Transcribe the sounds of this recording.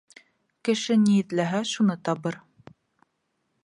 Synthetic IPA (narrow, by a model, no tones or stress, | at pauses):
kɘ̆ʃɘnijɘ̆t̪læɦæʃunɤt̪ɑβɤɾ